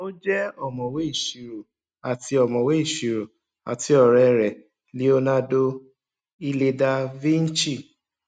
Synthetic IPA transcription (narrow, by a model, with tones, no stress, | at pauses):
o˦d͡ʒɛ˦ɔ˦˨mɔ̃˨we˨˦i˦˨ʃi˨˧ɾo˨ | a˨ti˧ɔ˨mɔ̃˨we˦i˦˨ʃi˨ɾo˨ | a̰˨ti˨˦ɔ˦˨ɾɛ˨˧ɾɛ˨ | li˨˦o˦nã˦do˦ | i˦le˧da˧vĩ˦n̩˦t͡ʃi˦˨